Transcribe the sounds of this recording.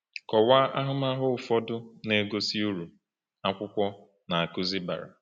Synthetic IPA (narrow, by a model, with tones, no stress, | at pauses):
kɔ˨wa˦ʔa˦ɦʊ˦m˦a˦ɦʊ˦ʊ˨fɔ˦dʊ˦ne˨ɡo˦si˦u˦ɾu˨ | a˦kʷʊ˦kʷɔ˦ | na˨a˨kʊ˦zi˦ba̰˨ɾa̰˨